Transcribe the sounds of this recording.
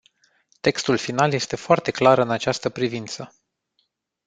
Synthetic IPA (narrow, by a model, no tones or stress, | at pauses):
t̪e̞kst̪ulfinalje̞st̪e̞foart̪e̞klaɾɨnat͡ʃast̪əpɾivint̪sə